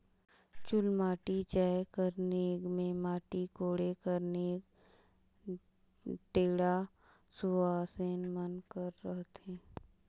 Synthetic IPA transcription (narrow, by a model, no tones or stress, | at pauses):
t͡ʃʊlmaːʈit͡ʃaːkəɾneːɡmẽmaːʈikoːɽekəɾneːɡ | ʈeːɽa | suaːseːnmənkəɾːəɦt̪ẽː